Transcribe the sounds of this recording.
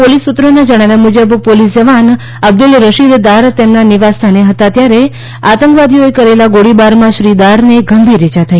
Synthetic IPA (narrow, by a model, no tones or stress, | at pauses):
polisut̪ːɾoned͡ʒəɽ̃aʋjamud͡ʒəbpolisd͡ʒəʋan | əb̚d̪ʊlɾəʃid̪d̪aɾt̪emnaniʋast̪ʰaneɦət̪at̪jaɾe | at̪ə̃ŋkʋad̪ioekəɾelaɡoɽibaɾmãʃɾid̪aɾneɡəmbʱiɾet͡ʃat̪ʰai